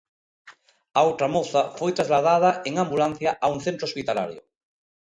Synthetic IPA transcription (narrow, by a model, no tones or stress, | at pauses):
aowt̪ɾamoθafojt̪ɾazlaðað̞aʔeŋãmbulan̟θjaʔauŋθẽnt̪ɾospit̪ala̰ɾjo̰